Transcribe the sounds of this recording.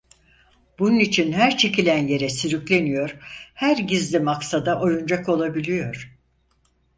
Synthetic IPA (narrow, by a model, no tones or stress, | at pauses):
b̥ununit͡ʃʰinhæɾt͡ʃʰe̞cilʲænje̞ɾɛsyɾyclʲe̞nijo̞ɾhæɾɟizlʲimaksad̪aʔo̞jund͡ʒako̞lˠabilʲijo̞ɾ̥